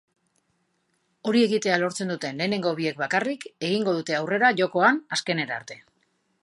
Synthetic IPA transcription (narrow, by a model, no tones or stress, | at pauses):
o̞ɾie̞ɣit̪e̞alo̞ɾt͡se̞nd̪ut̪e̞nle̞ːne̞ŋɡo̞βie̞k̚bakarike̞ɣ̞iŋɡo̞ðut̪e̞awre̞ɾaʝo̞ko̞anaske̞ne̞ɾa̰ɾt̪e̞